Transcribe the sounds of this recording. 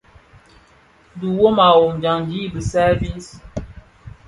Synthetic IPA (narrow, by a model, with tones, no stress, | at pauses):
du˨wo˦ma˨wo˨md͡ʒa˨ŋɡi˦bə˨sɛ˦vi˦ns